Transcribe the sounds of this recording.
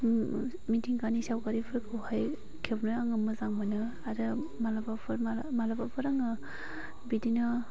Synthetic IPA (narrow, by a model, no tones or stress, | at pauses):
mitʰiŋkanisawkaɾipʰɯɾkʰɯwhaj | kʰepnɯaŋɯmɯzaŋmanɯ | adɯ | malabapʰɯɾmamalabapʰɯɾaŋɯ | bidina